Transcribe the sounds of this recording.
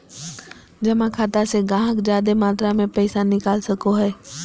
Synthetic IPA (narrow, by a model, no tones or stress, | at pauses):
d͡ʒɐmãkʰaːt̪aseɡãːɦəkd͡ʒaːd̪emaːt̪ɾamẽpɛɪsanɪkaːlsɐkoɦɛː